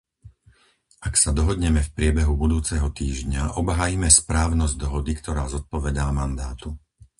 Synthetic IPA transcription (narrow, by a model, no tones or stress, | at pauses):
ʔaksad̪ɔɦɔd̪ɲɛmɛfpɾɪɛbɛɦubud̪uːt͡sɛɦɔt̪iːʒɲaʔɔbɦaːjimɛspɾaːʊnɔzɟd̪ɔɦɔd̪ikt̪ɔɾaːzɔt̪̚pɔʋɛd̪aːmand̪aːt̪u